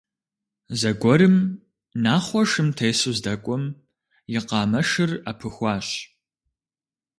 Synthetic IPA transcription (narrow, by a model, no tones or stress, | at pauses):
zɐɡʷɔɾɨm | naːχʷɔʂɨmtʰɐjsuzdɐkʷʼɔm | jɪqɑːmɐʂɨra̰pʰɨxʷɑːɕ